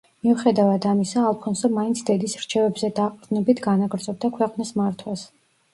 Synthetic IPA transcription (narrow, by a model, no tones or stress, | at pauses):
miuχɛd̪avad̪amisaːlˠpʰɔnsɛmaint̪sʰd̪ɛd̪isɾt͡ʃʰɛvɛbzɛd̪aqʼd̪nɛbit̪ʰɡanaɡɾd̪zʼɔb̚d̪akʰwɛqʼnismaɾt̪ʰwas